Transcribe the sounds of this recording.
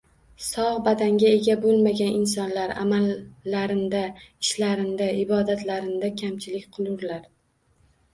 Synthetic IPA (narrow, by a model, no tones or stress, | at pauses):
sɒʁbad̪aŋɡʲae̞ɡʲabolˠmaɡʲanʔɪnsɒnlaɾa̰malːaɾɪnd̪aɪʃlaɾɪnd̪aɪbɒd̪at̪laɾɪnd̪akʲʰamt͡ʃʰɪlɪkʲqʰɨlˠʊɾlaɾ